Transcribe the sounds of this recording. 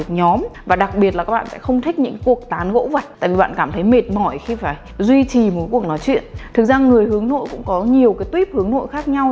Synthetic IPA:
ɨ˨˩k̚ɲɔ˨˦mvaː˨˩ɗa˨˩k̚ɓi˨˩ət̚laː˨˩kaː˦˥ɓa̰ː˧˨sɛ̰˧˥xə˧wŋ͡mt̪ʰï˦˥k̟̚ɲɨ̰˧˥ŋkku˨˩ək̚t̪aː˨˦nɣo̰˧˥və˨˩t̚t̪a̰ː˧˨vi˨˩ɓa̰ː˧˨nkaː˧˩mt̪ʰə˨˦jme˨˩t̚mɔ˧˩jxi˧faː˧˩j | zwi˧t͡ɕi˨˩mo˨˩kːku˧˩ək̚nɔ˨˦jt͡ɕwḭ˧˨ənt̪ʰɨ˨˩k̚zaː˧ŋːɨ˨˩əjhɨ˨˦əŋno̰˧˨jkʊ̰˧˥ŋ͡mkɔ˨˦ɲi˨˩əwkaː˨˦jt̪wi˦˥p̚hɨ˨əŋno̰˧˨jxaː˦˥k̚ɲa˧w

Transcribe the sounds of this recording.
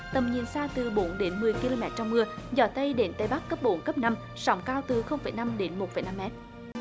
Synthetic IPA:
t̪ə˨˩mɲḭ˨ənsaː˧t̪ɨ˨˩ɓo˨˦nɗe˨˦nmɨ˨˩əjki˧lo˧mɛ˦˥t̚t͡ɕɔ˧wŋ͡mmɨ˧əzɔ˧˩t̪ə˧jɗe˨˦nt̪ə˨˧jɓa˦˥k̚ːə˦˥p̚ɓo˨˦nkə˦˥p̚na˧m | sɔ̰˨˦wŋ͡mkaː˧wt̪ɨ˨˩xə˧wŋ͡mfə̰˧˩˦jna˧mɗe˨˦nmo˨˩t̚fə̰˨˩jna˧mɛ˦˥t̚

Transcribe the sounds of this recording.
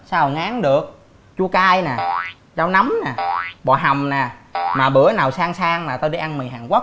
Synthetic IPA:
saː˧˨˩ŋaː˨˦ŋɗɨ˨˩ək̚ | t͡ɕu˧kaː˧jnaː˨˩ | zaː˧wna˨˦mnaː˨˩ɓɔ˨˩ɦa˨˩wŋ͡mnaː˨˩maː˨˩ɓɨ̰˨˧˦ənaː˨˩wsaː˧ŋsaː˧ŋmaː˨˩t̪o˧ɗi˧ʔa˧nmi˨˩ɦaː˨˩ŋkʷwa˦˥

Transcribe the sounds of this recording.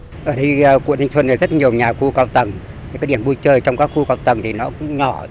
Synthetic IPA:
ʔəː˧˩ɗə˧jkṵ˧˨t̪ʰŋswə˧na˨˩zt̚ɲi˨˩əwɲaː˨˩xu˧kaː˧wt̪ə˨˩ŋ˨˩ | kaː˨˦ɗi˧˩ənɓu˧jt͡ɕəː˧˩jt͡ɕɔ˧wŋ͡mkaː˦˥kxu˧kaː˧˩wt̪ə˨˩ŋt̪i˨˩nɔ˨˦kʊ˧˥ɲɔ˧˩˦

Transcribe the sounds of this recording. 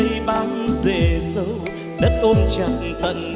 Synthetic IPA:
ɓa˨˦wzḛ˧˩˨sə˨˦w | ɗə˦˥t̚ʔo˧nt͡ɕa˨˩t̚t̪ə̰˧˨n

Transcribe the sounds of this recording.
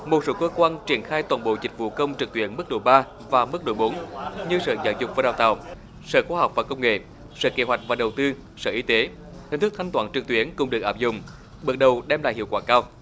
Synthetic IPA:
mo˨˩t̚so˨˦kəː˧kwaː˧nt͡ɕi˧˩ənxaː˧jt̪waː˨˩nɓo̰˧˨zï˨˩k̟̚vṵ˧˨kə˧wŋ͡mt͡ɕɨ˨˩k̚t̪wi˧˦ənmɨ˦˥ɗo˧˩jɓaː˧ | vaː˨˩mɨ˦˥k̚ɗo̰˧˩jɓo˨˦nɲɨ˧sə̰ː˧˨za̰ː˧˦wzʊ˨˩k͡p̚vaː˨˩ɗaː˨˩wt̪a̰ː˧˨˩w | sə̰ː˧˨˩xwaː˧ɦa˨˩wk͡p̚vaː˨˩kə˧wŋ͡mŋḛ˧˨ | sə̰ː˧˨ke˨˦ɦwa˨˩jk̟̚vaː˨˩ɗə˨˩wt̪ɨ˧ | sə̰ː˧˨ʔi˨˦t̪e˨˦ | i˨ŋ̟t̪ɨ˦˥k̚t̪ʰjŋt̪waː˧˩nt͡ɕɨ˨˩k̚t̪wi˨˦ənkʊ˨˧˩ŋ͡mɗɨ˨˩ək̚aː˧˥p̚zʊ̰˧˨˩ŋ͡m | ɓɨ˨˩t̚ɗə˨˩wɗɛ˧mla̰ː˧˨jhḭ˧˨əwkwaː˧˩kaː˧w

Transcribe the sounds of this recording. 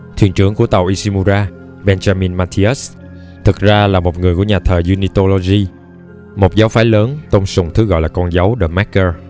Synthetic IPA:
t̪ʰḭ˧˩ənt͡ɕɨ˧˩əŋku˧˩ət̪ə˨˩wʔi˧si˧mu˧zaː˧ | ɓɛ˧nzaː˧mi˧nmaː˧t̪ʰi˧ɛ˦˥s | t̪ʰɨ˨˩k̚zaː˧laː˨˩mo˨˩t̚ŋɨ˨˩əku˧˩əɲaː˨˩t̪ʰəː˨˩jzu˧ni˧t̪o˧lo˧zi˧ | mo˨˩t̚zaː˨˦wfaː˨˦jləː˨˦nt̪ə˧wŋ͡msʊ˨˩ŋ͡mt̪ʰɨ˨˦ɣɔ̰˧˨jlaː˨˩kɔ˧nza˨˦wɗəː˧˩ma˦˥kəː˧

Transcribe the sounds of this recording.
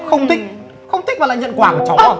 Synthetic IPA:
xə˧wŋ͡mt̪ï˦˥k̚ | xə˧wŋ͡mt̪i˦˥k̚vaː˨˩la̰˧˨˩ɲə̰˧˨nkwaː˨˩mo˨˩t͡ɕɔ˨˦˧

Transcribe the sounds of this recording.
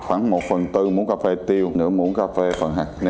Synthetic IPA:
xwaː˧˩ŋmo˨˩t̚fə˨˩nt̪ɨ˧mṵ˧˥ənkaː˧fe˧t̪i˧əwnɨ̰˧˥əmṵ˧˥ənkaː˧fe˧fə˨˩nɦa̰˨˩n˧

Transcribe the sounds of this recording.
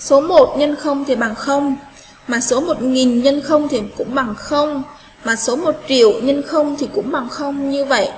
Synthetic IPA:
so˨˦mo˨˩t̚ɲə˧nxə˧wŋ͡mt̪ʰi˨˩ɓa˨˩ŋxə˧wŋ͡m | maː˨˩so˨˦mo˨˩t̚ŋi˨˩nɲə˧nxə˧wŋ͡mt̪ʰi˨˩kʊ̰˧˥ŋ͡mɓa˨˩ŋxə˧wŋ͡m | maː˨˩so˨˦mo˨˩t̚t͡ɕḭ˧˨əwɲə˧nxə˧wŋ͡mt̪ʰi˨˩kʊ̰˧˥ŋ͡mɓa˨˩ŋxə˧wŋ͡mɲɨ˧və̰˧˨jʔ

